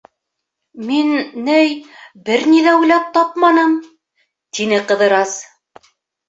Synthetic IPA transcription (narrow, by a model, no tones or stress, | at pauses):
minnɘjbɘɾniðæujlɑp̚t̪ɑpmɑnɤm | t̪inɘqɤ̆ðɤ̆ɾɑs